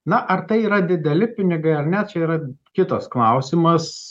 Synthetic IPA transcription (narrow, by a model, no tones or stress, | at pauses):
nɐʔɐrt̪ɐɪiːɾɐd̪ʲɪd̪ʲɛlʲɪpʲɪnʲɪɡɐɪɐɾnʲɛt̚t͡ʃʲɛiːɾɐkʲɪt̪osklˠɐʊsʲɪmɐs